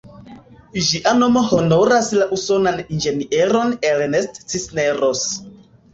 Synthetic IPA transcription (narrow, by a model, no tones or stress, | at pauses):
d͡ʒiʔano̞mo̞ho̞no̞ɾaslaʔuso̞nanind͡ʒe̞niʔeɾo̞nelnestt͡sisneɾos